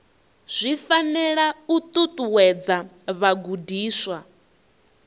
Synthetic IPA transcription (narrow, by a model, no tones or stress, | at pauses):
z̥ʷifanɛɺaut̪ʼutʼuwɛd͡za | βaɡudiːswa